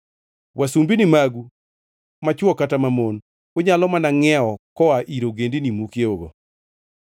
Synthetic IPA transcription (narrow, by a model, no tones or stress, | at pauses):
wʔasumbinimaɡu | mat͡ʃwɔkatamamon | oɲalɔmanaŋɛɔkɔaʔiɾoɡendinimukjeoɡɔ̰